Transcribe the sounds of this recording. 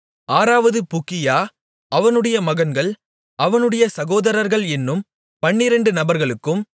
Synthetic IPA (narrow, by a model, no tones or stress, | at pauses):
ʔaːɾaːʋɐðɯpʊkːɪjaː | ʔɐʋɐnɯɽɐjɐmɐɣɐnɡɐɭ | ʔɐʋɐnɯɽɐjɐsɐɣoːðɐɾɐɾɣɐɭɛnːɯm | pɐɳːɪɾɐɳɖɯnɐbɐɾɣɐɭɯkːɯm